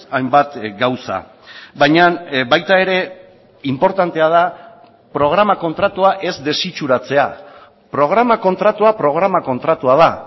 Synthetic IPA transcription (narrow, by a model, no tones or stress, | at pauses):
ajmbat̪ɡawsa̰ | βajɲanβajt̪ae̞ɾe̞ | impo̞ɾt̪ant̪e̞að̞a | pɾo̞ɣ̞ɾamako̞nt̪ɾat̪uaʔe̞zd̪e̞sit͡ʃuɾat͡se̞a | pɾo̞ɣ̞ɾamako̞nt̪ɾat̪uapɾo̞ɣ̞ɾamako̞nt̪ɾat̪uað̞a